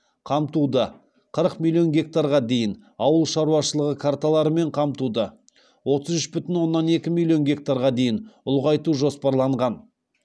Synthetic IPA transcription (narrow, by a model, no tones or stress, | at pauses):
qʰɑmt̪ud̪ə | qʰəɾəqmʲilʲˠijo̞nɡʲe̞k̚t̪aɾʁɑd̪e̞jɪn | ɑwəlˠʃɑɾuwɑʃəlˠəʁəkʰart̪alˠɑɾəme̞ɴqʰɑmt̪ud̪ə | wo̞t̪əzʏʃbʏt̪ɪnwo̞nːɑne̞kʲɪmilʲːijo̞nɡʲe̞k̚t̪aɾʁɑd̪e̞jɪnʊlˠʁɑjt̪uʒo̞spɑɾlˠɑɴʁɑn